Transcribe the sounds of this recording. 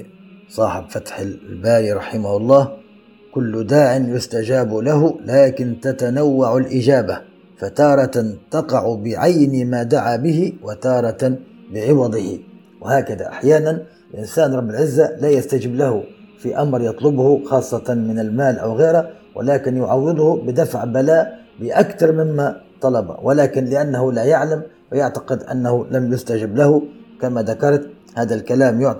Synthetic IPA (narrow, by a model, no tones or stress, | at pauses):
sˤɑːħɪbfat̪ħɪbaːɾiɾˤɑħɪmahʊlˤːɑːh | kʊlːd̪aːʕɪnjʊst̪ad͡ʒaːblaɦʊlaːkɪnt̪at̪anawːaʕalʔɪd͡ʒaːba | fat̪ɑːɾˤɑt̪at̪ɑqɑʕʊbɪʕajnimaːd̪aʕabɪhɪwat̪ɑːɾˤɑt̪ | bɪʕɪwɑd̪ˤɨhɪ | wɪhaːkaða̰ʔa̰ħjaːnan | lʔɪnsaːnɾˤɑbːɪlʕɪzːalaːjast̪ad͡ʒɪblahʊ | fiʔamɾjɑt̪ˤlʊbhʊxɑːsˤːɑt̪ɑmɪnalmaːlʔa̰wɣeːɾha | wʔɪ̰laːkɪnjʊʕɑwːɨd̪ˤhʊbɪd̪afʕbalaːʔ | bɪʔakt̪ɑɾˤmɪmːat̪ˤɑlɑba̰wɪlaːkɪnlɪʔanːahʊlaːjaʕlam | wɪjaʕt̪ḁqɪd̪ʔa̰nːahʊlamjʊst̪ad͡ʒɪblahʊkamad̪akɑɾˤt̪ | haːd̪alkalaːmjʊʕ